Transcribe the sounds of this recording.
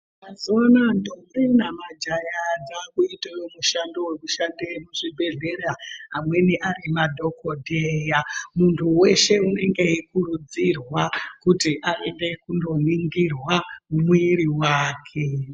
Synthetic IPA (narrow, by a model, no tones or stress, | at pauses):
maziwanandokrinamad͡ʒajad͡zakuitejomuʃando̞wekuʃandemuʐibʱe̞ɮeɾaɦamwe̞niʔaɾimadʱo̞kodʱejamuntʰuwe̞ʃe̞une̞ŋɡe̞ikuɾud͡zirwakutiʔaende̞kundo̞niŋɡirwamwiɾiwaːkʰe